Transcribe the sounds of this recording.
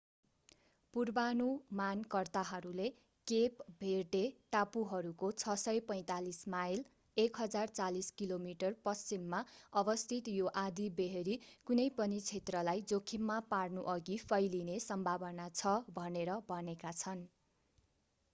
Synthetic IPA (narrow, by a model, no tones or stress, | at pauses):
purbanumankʌrt̪aɦʌɾule | kepbʱeʈeʈapuɦʌɾukot͡sʰʌsʌjpʌj̃t̪alismajl | ekɦʌd͡zart͡saliskilomiʈʌrpʌst͡simːaʌbʌst̪ʰit̪joʔad̪ibeɦeɾikunʌjpʌnit͡sʰet̪rʌlajd͡zokʰimːaparnuʔʌɡipʰʌjlinesʌmbʱabʌnat͡sʰʌbʱʌneɾʌbʱʌnekat͡sʰʌn